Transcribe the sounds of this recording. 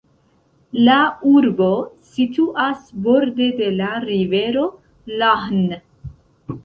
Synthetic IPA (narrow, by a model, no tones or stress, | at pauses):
lauɾbosituʔasbo̞ɾde̞de̞laɾive̞ɾo̞ | lahn